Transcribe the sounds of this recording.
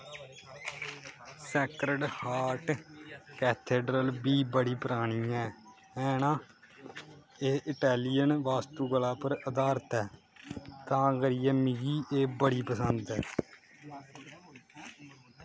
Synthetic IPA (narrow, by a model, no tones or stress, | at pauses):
sɛːkɾəɖhaːɾʈkɛːt̪ʰeːɖɾəlbiːbəɽiːpəɾaːɽ̃iːɛː | ɛːnãː | eːɪʈɛːlijənʋaːst̪uːɡəlaːpəɾəd̪aːɾt̪ɛː | t̪ãːɡəɾijɛːmɪɡiːʔeːbəɽiːpəsənd̪ɛː